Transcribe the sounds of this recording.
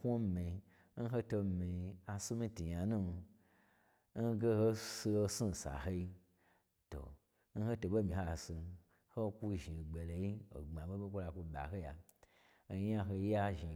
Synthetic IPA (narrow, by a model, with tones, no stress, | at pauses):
kʷo˦me˨˧ | n̩˦ɦo˦to˧mi˨a˨su˦mĩ˧ti˨ja˨nũ˦˧ | n̩˦ɡe˦ho˦si˧ho˧si˦˨sa̰˨ɦo˧i˧ | to̰˨ | n̩˦ho˦to˧bo˦mĩ˨ho˦a˨su˧ | ho˦˧kʷu˦ʒi˨ɡ͡be˨lo˨ji˦o̰˨ɡ͡ba˨bo˦bo˦kʷo˦la˧kʷu˧ba̰˨ɦo˦ja˨˧˦ | a˦ɦo˧ja˦ʒi˨